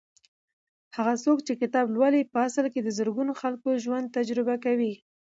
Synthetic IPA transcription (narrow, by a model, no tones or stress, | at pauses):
haɣasokt͡ʃekɪt̪ɑblwalipəasəlked̪əzəɾɡunoxalkoʒwand̪̚t̪ad͡ʒɾɪbakawi